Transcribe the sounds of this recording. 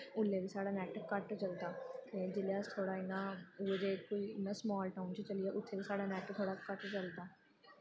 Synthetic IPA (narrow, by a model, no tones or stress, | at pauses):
ʊlːeːbiːsaːɽaːnɛːʈkəʈt͡ʃəlt̪aːt̪ed͡ʒɪljaːst̪ʰoːɽaːɪnãːʊʋed͡ʒeːkoiːmɛ̃smɔːlʈaːʊnt͡ʃt͡ʃəlɪjaːʔʊt̪ʰːeːbiːsaːɽaːnɛːʈt̪ʰoːɽaːkəʈt͡ʃəlt̪aː